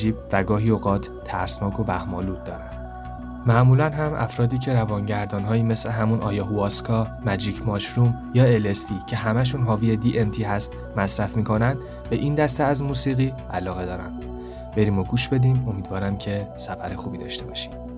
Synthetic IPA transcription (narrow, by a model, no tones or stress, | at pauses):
d͡ʒiːb̚væɡɒːɦiːoɣɒːt̪ʰːæɾsnɒːkʰo̞væhmɒːluːt̪̚d̪ɒ̰ːɾæn | mæʔmulænɦæmʔæ̰fɾɒːd̪iːcʰe̞ɾævɒːnɟæɾd̪ɒːnɦɒːiːme̞sle̞ɦæmunʔɒ̰ːjɒːɦuɒːskʰɒːmæd͡ʒiːcʰmɒːʃɾumjɒːe̞lest̪ʰiːcʰe̞ɦæmæʃ̬unɦɒːviːed̪iʔemt̪ʰiːɦæst̪ | mæsɾæfmiːkʰo̞nænd̪̥ | be̞ʔiːnd̪æst̪eæzmuːsiːɣiː | ælɒːɣe̞d̪ɒːɾæ̰m | be̞ɾiːmoɡuːʃbe̞d̪iːmo̞miːd̪vɒːɾæmcʰe̞sæfæɾexuːbiːd̪ɒ̰ːʃt̪e̞bɒːʃi̥m